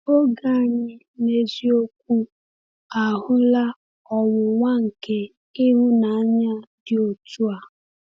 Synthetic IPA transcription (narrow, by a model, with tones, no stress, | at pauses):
o˦ɡa˦˨ɲɪ˦ | ne˨zi˦o˦k̚ʷu˦ | a˨ɦʊ˦la˦ | ɔ˨wʊ˨ŋʷa˦ŋ̩˨ke˨ | i˦ɦʊ˦na˨a˦ɲa˦dɪ˦o˨tu˦a˨